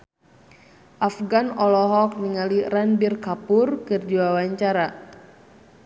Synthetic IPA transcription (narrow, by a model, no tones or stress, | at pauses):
ʔafɡanɔlɔɦɔk̚niŋaliranbirkapurkɨrd͡ʒiwawaɲt͡ʃaɾa